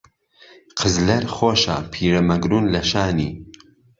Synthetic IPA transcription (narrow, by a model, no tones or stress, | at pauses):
qʰəzlɐɾχoːʃa̰pʰiːɾɐmɐɡɾuːnlɐʃaːniː